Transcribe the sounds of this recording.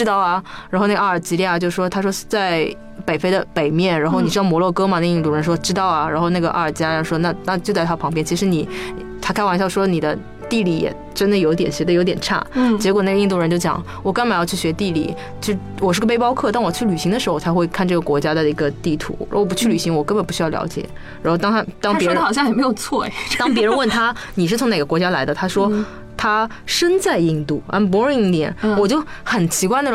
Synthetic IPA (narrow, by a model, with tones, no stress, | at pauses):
ɻ̩˥t̪ɑ˥˩ʊɐ˩ɻa˨˧˥nxna˥˩˧a˥˩ə˞˨˩t͡ɕi˧˥ljɛ˥˩a˨˩t͡ɕjo˥˧ʊʂ̩˩ʂwɔ˥t̪ʰa˥ʂwɔ˥t͡sa˥˩ɪ | pe˨˩ɪfe˥ɪd̪ə˧pe˨˩ɪmjɛ˥˩nɻa˧˥xo˥˧n˨˩ɻ̩˥ɑ˥˩mwɔ˧˥lwɔ˥˩kɤ˥ma˨nə˥˩˧i˥˧nt̪u˥˩ɻə˧˥nʂʈ͡ʂɻ̩˥t̪ɑ˥˩ʊɐ˩ɻa̰˧˥nxo˥˧ʊna˥˩ɡə˩ʔa̰˥˩ə˞˨˩t͡ɕi˧˥˩ʂwɔ˥na˥˧na˥˧˩t͡ɕjt͡sa˥˩t̪ʰa˥pʰɑ˧˥ŋp̬jɛ˥˩nt͡ɕʰi˧˥ʂɻ̩˧˥ni˨˩˦ | t̪ʰa˥kʰa˥˩nwa˧˥n˥ɕjɑ˥˧˩ʂwɔ˥ni˨˩d̪ə˦ | t̪i˥˧li˥˩jɛ̰˨˩ | ʈ͡ʂə˥nd̪ə˨jo˧˥t̪̬jɛ˨˩nɕɥɛ˧˥d̪ə˧jo˧˥ʊt̪jɛ˨˩nʈ͡ʂʰa̰˥˩t͡ɕjɛ˧˥kwɔ˨˩na˥˩ɡə˧i˥˧t̪u˥˩ɻə˧˥t͡ɕo˥˩t͡ɕjɑ̰˧˩˦ŋ | wɔ˨˩ka˥nma˨˩jɑ˥˧ʊt͡ɕʰy˥˩ɕɥɛ˧˥t̪i˥˩lḭ˨˩˦ | t͡ɕo˥˧˥ | wɔ˨˩ʂɻ̩˥˧˩ɡə˧pe˥ɪpɑ˥ʊkʰɤ˥˩t̪a˥˩nwɔ˨˩t͡ɕʰy˥˩ly˨˩ɕi˧˥ŋd̪ə˧ʂɻ̩˧˥xo˥˩ʊt͡sʰa˧˥ɪxwe˥˧ɪkʰa˥˧nʈ͡ʂɤ˥˩ɡə˩kwɔ˧˥t͡ɕja˥d̪ə˨i˧˥ɡə˧t̪i˥˩t̪ʰṵ˧˥ɻ̰pu˧˥t͡ɕʰy˥˩ly˨˩ɕi˧˥ŋwɔ˨˩kə˥nmbə˨˩npu˧˥ɕy˥jɑ˥˩lj̰ʊt͡ɕjɛ̰˨˩˦ | ɻa̰˧˥xo˥˩ʊt̪ɑ˥ŋt̪ʰa˥t̪ɑ˥ŋpɛ˧˥xɑ˨˩ɕ̬jɑ˥˧˩xm˧˥ɪjo˨˩ʊt͡sʰwɔ˥˩t̪ɑ˥ŋp̬jɛ˥ɻə˧˥nwə˥˩nt̪ʰa˥ | ni˨˩ʂɻ̩˥˩t͡sʰʊ˧˥ŋn˨˩ɡə˦kwɔ˧˥t͡ɕja˥la̰˧˥ɪd̪ə˧t̪ʰa˥ʂwɔ˥ | t̪ʰa˥ | ʂə˥nt͡sa˥˧ɪi˥˧ŋt̪u˥˩a̰˥˩p̬u˧˥ɻ̩˥˧˩i˥˩ŋt̪jɛ˨˩˦nwɔ˨˩t͡ɕjo˥˩ʊ | xə˨˩nt͡ɕʰi˧˥kwa˥˧na˥˩˧